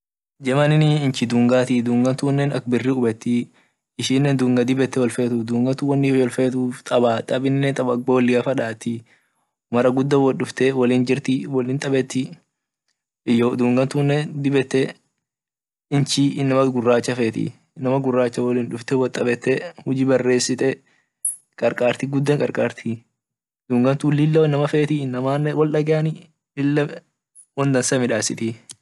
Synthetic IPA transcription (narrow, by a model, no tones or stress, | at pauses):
d͡ʒɛmɐnɪnɪɪnt͡ʃɪd̪uːŋɡaːt̪ɪd̪uːŋɡɐnt̪uːnːɛnɐkbɪrːiʊbɛt̪ːɪ | ɪʃiːnːɛnd̪uːŋɡɐd̪ɪbɛt̪ːɛwɐlfeːt̪ufd̪uːŋɡɐt̪uwɐnːɪwɔlfeːt̪uːft̪ʼɐbaːt̪ʼɐbɪnːɛt̪ʼɐbɐoːlːɪɐfɐᶑaːt̪ɪ | mɐɾɐɡʊd̪ːɐwɔɗʊft̪ɛwɐliːnd͡ʒɪɾt̪ɪwɐliːnt̪ʼɐbɛt̪ːɪ | jːod̪uːŋɡɐnt̪uːnːɛnd̪ɪbɛt̪ːɛ | ɪnt͡ʃiːɪnːɐmɐɡʊrːaːt͡ʃːɐfeːt̪ɪ̰ | nːɐmɐɡʊrːaːt͡ʃːɐwɐliːnᶑʊft̪ɛwɔt̪ʼɐbɛt̪ːɛhʊd͡ʒiːbɐrːeːsːɪt̪ʼɛ | kʼɐɾkʼaːɾt̪ɪɡʊd̪ːɛŋkʼɐ̰ɾkʼaːɾt̪ʰi | d̪uːŋɡɐnt̪ulɪlːɐnːɐmɐfeːt̪ɪnːɐmaːnːɛwɔlᶑɐɡɛɐnɪ | lɪlːɐ | wɔnd̪ɐnsɐmɪᶑaːsɪt̪ɪ